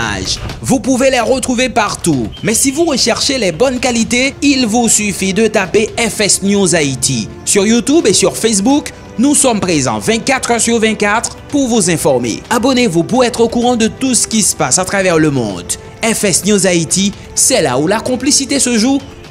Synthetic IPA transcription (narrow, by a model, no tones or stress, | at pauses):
a̰ʒvupuvelɛʁət̪χuvepaʁt̪umɛsivuʁəʃɛʁʃelɛbɔnkalit̪eilvusyfid̪ət̪apeɛfɛsnjuzait̪ʰi | syʁjut̪ubesyʁfɛs̬buk | nusɔmpχezɑ̰̃vɛ̃t̪kat̪χœʁsyʁvɛ̃kat̪χ | puʁvuzɛ̃fɔʁmḛabɔnevupuʁɛt̪χokuʁɑ̃d̪ət̪usə̥kʲisə̥pasat̪χavɛʁləmɔ̰̃d̪ | ɛfɛsnjuzait̪i | sɛla̰ulakɔ̃plisit̪esəʒu